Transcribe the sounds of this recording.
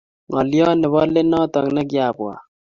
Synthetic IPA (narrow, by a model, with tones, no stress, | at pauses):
ŋɔ˨ljɔ˦nɪ˨βɔ˦le˦nɔ˦t̪ɔ˨ŋnɛ˦k̬ja˨bwa̰˨